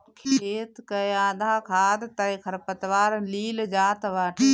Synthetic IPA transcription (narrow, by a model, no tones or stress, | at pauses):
kʰeːt̪kɐjaːd̪ʱaːkʰaːd̪t̪aːikʰɐɾpət̪ʋaːɾliːld͡ʒaːt̪ʋaːʈʰ